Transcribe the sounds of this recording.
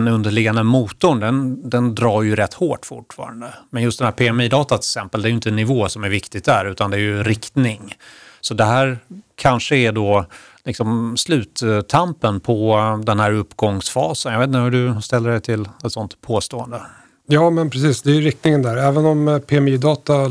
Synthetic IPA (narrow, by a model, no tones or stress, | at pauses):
nɵnd̪əɭɪɡːand̪əmuːt̪ʊɳd̪ɛnd̪ɛnd̪ɾɑːɾjɵɾɛt̪ːhoːʈːfʊʈːfɑ̰ːɾa̰nd̪əmɛnjɵst̪d̪ɛnhæːɾpʰeɛmiːd̪ɑːt̪at̪ʰɛɛksɛmpəld̪ɛɾjʏʏnt̪ənːɪvoːsɔmæɾvɪkt̪ɪɡ̚t̪dæɾʉ̟ːt̪and̪ɛːɾjɵɾɪkt̪nɪŋsɔd̪ɛɦæːɾkʰanʂəæɖɔ | lɪksɔmslʉ̟ːt̪ʰːampənpʰɔd̪ɛnhæːɾɵpːɡɔŋsfɑːsənjɑveːt̪nt̪əhɵɖɵst̪ɛlːəɖɛjt̪ʰɪlɛt̪sɔnt̪pʰoːst̪oːənd̪ə | jɑːmɛnpʰɾɛsiːsd̪ɛɾɪkt̪nɪŋənd̪æːɾɛːvənɔmpʰeɛmiːd̪ɑːt̪a